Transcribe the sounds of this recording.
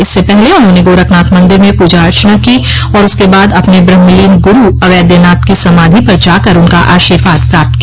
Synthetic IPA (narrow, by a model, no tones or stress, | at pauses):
ɪsːepɛɦleʊnɦõːneɡoːɾəknaːt̪mɐ̃nd̪ɪɾmẽpuːd͡ʒaɐɾt͡ʃənaki | ɔːɾʊskebaːd̪ɐpnebɾɐmmɪliːnɡʊɾuɐʋɛːd̪jənaːt̪kisɐmaːd̪ʱipɐɾd͡ʒaːkɐɾʊnka̰ʔaːʃiːɾaːt̪̚pɾaːp̚t̪̚ki